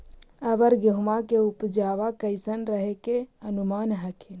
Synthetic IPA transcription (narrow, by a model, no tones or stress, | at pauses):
əbəɾɡəɦumakeupd͡ʒaʋakəɪsənɾəɦekeənumaːnɦəkʰin